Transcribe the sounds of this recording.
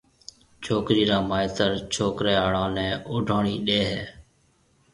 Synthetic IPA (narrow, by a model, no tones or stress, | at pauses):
t͡ʃʰoːkɾiːɾaːmaːɪt̪əɾt͡ʃʰoːkɾeːaːɽãːnɛ̃ːʔʊːɖʱoːɳiːɗeːɦeː